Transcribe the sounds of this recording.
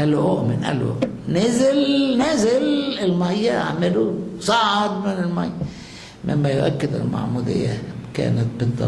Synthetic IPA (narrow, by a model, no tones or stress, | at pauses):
ʔælʔoʔmɪnʔæ̰lṵ | nezɪlnæzɪlɪlmajːaa̰ʕmɪlusˤɑʕd̪mɪnɪlmajːa | mʔɪ̰mːæjʊʔækːɪd̪a̰lma̰ʕmuːd̪ɪ̰jːakæ̰ːnæt̪̚bɪd̪ˤːɑ